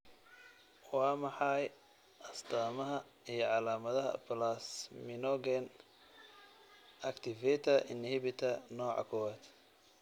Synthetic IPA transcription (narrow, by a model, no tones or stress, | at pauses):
wɑːmɑħɑj | ʔɐst̪aːmɐɦɐ | ijɞʕɑlaːmɐðɐɦɐ̰plasmɪnɔɡɛn | ʔɐkt̪ʰɪvɛt̪ʰɐʔɪnhibɪt̪ʰɐnɔːʕɑ̰kʰɔwaːd̪